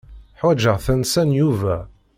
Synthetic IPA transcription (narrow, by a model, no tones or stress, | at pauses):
ħwæd͡ʒəʁθænsænjuvæ